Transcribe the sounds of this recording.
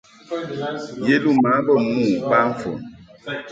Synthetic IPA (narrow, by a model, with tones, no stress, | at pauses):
je˦lu˦˨ma˨˦bɔ˦˨mũ˦˨ba˦ɱ˦fɔ̰˨n